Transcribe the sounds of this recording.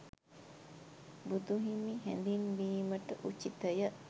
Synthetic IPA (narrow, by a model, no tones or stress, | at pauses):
bud̪uɦimiɦɛ̰nd̪inʋiːməʈəʔut͡ʃːit̪əjə